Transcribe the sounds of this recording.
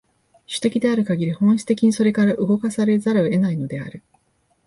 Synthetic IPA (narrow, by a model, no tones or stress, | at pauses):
ɕɨ̥t̪e̞kʲid̪e̞aɾɯ̟kaɡʲiɾʲihõ̞ɰ̃ɕi̥t̪e̞kʲiɲ̟iso̞ɾe̞kaɾaʔɯ̟ɡo̞kasaɾe̞zaɾaoe̞naino̞d̪e̞a̰ɾɯ̟